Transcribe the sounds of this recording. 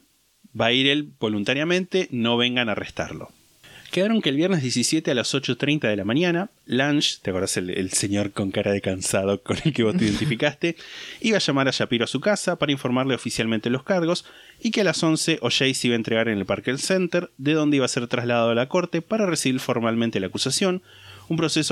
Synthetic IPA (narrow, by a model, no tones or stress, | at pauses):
baiɾelbolunt̪aɾjamẽnt̪e̞no̞β̞e̞ŋɡanarest̪a̰ɾlo̞̰ | keðaɾo̞ŋkeːlβjeɾnezðjesisjet̪ealaso̞t͡ʃot̪ɾejnt̪aðelamãɲana | lanʃt̪eakoɾðaselḛlseɲo̞ɾko̞ŋkaɾaðekansaðoko̞nelkeβo̞st̪eiðe̞nt̪ifikast̪e̞iβaʃamaɾaʃapiɾoasukasapaɾaiɱfo̞ɾmaɾleo̞fisjalmẽnt̪elo̞skaɾɣo̞s | ikealaso̞nse̞ʔoʃejsiβaent̪ɾeɣaɾenelpaɾkeðelsent̪eɾðe̞ðo̞nd̪eiβaseɾt̪ɾazlaðaðoalako̞ɾt̪e̞paɾaresiβiɾfo̞ɾmalmẽnt̪elaːkusasjo̞n | umpɾo̞seso